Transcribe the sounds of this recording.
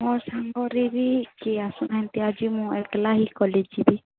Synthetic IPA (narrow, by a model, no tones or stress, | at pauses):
mɔɾsaŋɡɔɾiɾikiasunaɦɛ̃nt̪iad͡ʒimũɛklaɦikɔled͡ʒibi